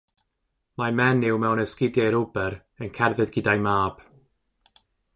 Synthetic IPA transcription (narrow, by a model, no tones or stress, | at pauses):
mamɛnɪwmɛwnəskɪdjajɾʊbɛɾ | ənkʰɛrðɨdɡɪdajmaːb̥